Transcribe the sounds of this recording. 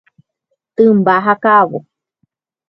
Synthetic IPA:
t̪ɨmbaɦakaβo

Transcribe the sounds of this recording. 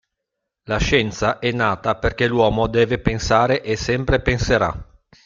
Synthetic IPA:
laʃɛnt̪saʔɛnːaːt̪aperk̟elwɔːmod̪ɛːvepensaːɾeʔesɛmpɾepenseɾa̰

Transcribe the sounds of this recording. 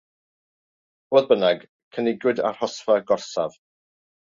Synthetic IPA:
oːðbənaɡ | kʰənɪɡwɪda̰r̥hɔsvaɡɔrsav̥

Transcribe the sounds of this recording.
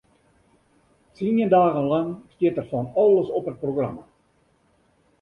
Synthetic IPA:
tinəndaːɣənlɑŋstɪtərfɔnɑləsɔpət̚proɣrɑ̰ma

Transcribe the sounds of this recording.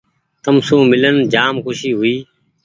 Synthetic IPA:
t̪əmsũːmɪlənd͡ʒaːmkʊʃiːɦʊiː

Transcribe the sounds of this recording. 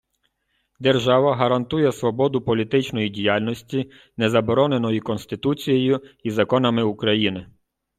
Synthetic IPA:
d̪erʒɑʋɐɦɐɾɐnt̪ujɛsʋɔbɔd̪ʊpɔlʲit̪ɪt͡ʃnɔjidʲijalʲnɔsʲtʲi | nɛzɐbɔɾɔne̞nɔjikɔnst̪ɪt̪ut͡sʲijejʊizɐkɔnɐmɪukɾɐjinɪ

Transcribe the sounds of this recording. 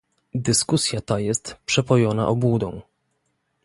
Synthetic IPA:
d̪ɘskusʲjat̪ajɛst̪pʂɛpɔjɔna̰ʔɔbwud̪ɔ̰̃w̃

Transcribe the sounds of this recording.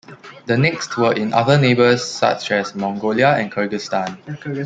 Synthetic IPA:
dənɛkstʰwəʔɪ̃nʔa̰ðənebəsːa̰t͡ʃɛsmɔ̃ŋɡoliaɛ̃nkʰəɡəstãn

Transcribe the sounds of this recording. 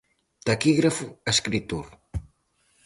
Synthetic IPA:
t̪akiɣɾafueskɾit̪uɾ

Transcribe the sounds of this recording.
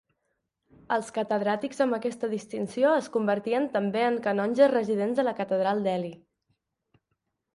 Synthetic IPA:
əlˠskət̪əðɾat̪ikzəmbəkɛst̪əðist̪insioəskumbəɾt̪iənt̪əmbeəŋkənɔnʲʒərəziðenzðələkət̪əðɾalˠd̪ɛli

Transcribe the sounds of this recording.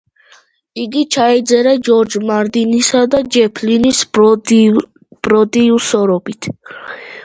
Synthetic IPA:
iɡit͡ʃʰaɛd̪zɛɾad͡ʒɔɾd͡ʒmaɾd̪inisad̪ad͡ʒɛpʰlinis | b̥ɾɔd̪iusɔɾɔbit̪ʰ

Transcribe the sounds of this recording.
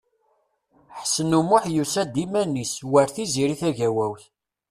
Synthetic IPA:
ħsənumʊħjusæd̪imæniswəɾθiziɾiθæʝæwæwθ

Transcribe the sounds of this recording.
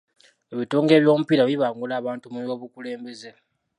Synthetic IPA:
eβitoːŋɡe̞ːβjo̞ːmupilaβiβaːŋɡulaːβaːntumuβoβukule̞ːmbe̞ze

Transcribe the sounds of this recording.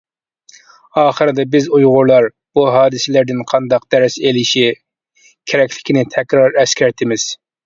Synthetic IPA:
ɑːχəɾɪd̪ɛbɪzujʁʊɾlˠɑɾ | b̥uɦɑːd̪ɨsɪlæɾd̪ɪnqʰɑnd̪ɑq̚d̪̥æɾɪselɪʃi | kʲʰeɾɛkʲlɪkʲinɪt̪ʰɛkʲɾɑɾɛskʲæɾt̪ʰɪmɪz̥

